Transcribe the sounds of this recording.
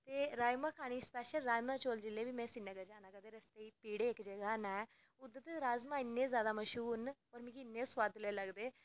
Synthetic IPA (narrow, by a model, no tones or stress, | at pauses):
t̪eɾajməkʰaɽ̃ispeɕəlɾajmət͡ɕold͡ʑilːebiːmesinːəɡəd͡ʑanakad̪eɾəst̪eipiɽeːkd͡ʑeɡanaj | ud̪ət̪eɾad͡zmainːed͡zad̪aməɕuːnʋəɾmiːkinːesʋad̪ʱlelaɡd̪e